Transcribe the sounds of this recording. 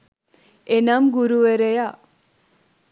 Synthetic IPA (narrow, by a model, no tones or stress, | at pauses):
enamɡuɾuʋeɾeja